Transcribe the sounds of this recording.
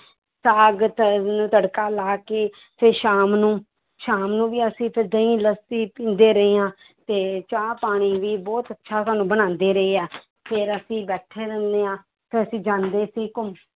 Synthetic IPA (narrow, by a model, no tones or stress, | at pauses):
saːɡət̪nũːt̪əɽkaːlaːkeː | pʰɪɾʃaːmnũː | ʃaːmnũːʋiːəsĩːpʰɪɾd̪ə̃ĩːləsiːpĩːnd̪eːɾəeːãː | t̪eːt͡ʃaːpaːɽ̃iːʋiːbɔːt̪ətːʃʰaːsaːnũːbəɽ̃ãːnd̪eːɾəeːɛː | pʰɪɾəsĩːbɛːʈʰeːɾə̃nd̪eːãː | t̪eəsĩːd͡ʒãːnd̪eːsiːkʊm